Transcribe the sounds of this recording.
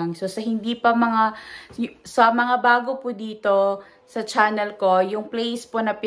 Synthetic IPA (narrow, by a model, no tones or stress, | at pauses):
ŋso̞sɐhɪnd̪ipɐmɐŋa | sɐmɐŋabaːɡopʊd̪iːt̪o̞ | sɐt͡ʃaːnɛlko̞jʊŋplejsponɐpɪ